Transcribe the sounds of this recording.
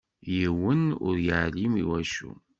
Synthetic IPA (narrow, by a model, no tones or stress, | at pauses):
jiwənʊ̰ɾjəʕlimḭwæʃṵ